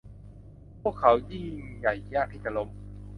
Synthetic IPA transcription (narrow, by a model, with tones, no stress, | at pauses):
pʰu˥˩əkʰːa˩˦wji˥˩ŋja˨˩jːaː˥˩k̚t̪ʰiː˥˩t͡ɕa˧˨lo˧˥m